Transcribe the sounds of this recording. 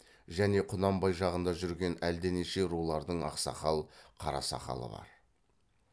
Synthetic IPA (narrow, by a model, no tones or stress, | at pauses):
ʒæne̞qʰʊnɑmbɑjʒɑʁənd̪ɑʒʏɾɡʲe̞næld̪eneʃe̞ɾulˠɑɾd̪əɴɑ̰qsɑ̰χɑlˠqʰɑɾɑ̰sɑ̰χɑ̰lˠə̰bɑ̰ɾ